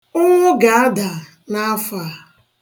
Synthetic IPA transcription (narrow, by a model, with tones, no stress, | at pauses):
ʊ˦ŋʷʊ˦ɡa˨a˦da˨ | na˦a˦fa˨